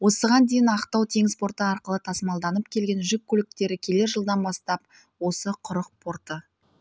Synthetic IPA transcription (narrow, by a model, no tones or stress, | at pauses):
wo̞səʁɑnd̪ejɪnɑqt̪ɑwt̪ʰe̞ŋɪzpʰo̞ɾt̪əɑɾqəlˠət̪ʰɑsmɑlˠd̪ɑnəpkʲʰe̞lɡʲe̞nʒʏk̚ʲːɵlɪk̚t̪e̞ɾɪkʲʰe̞le̞ɾʒəlˠd̪ɑnbɑst̪ɑp | wo̞səqʰʊɾəq̚pʰo̞ɾt̪ə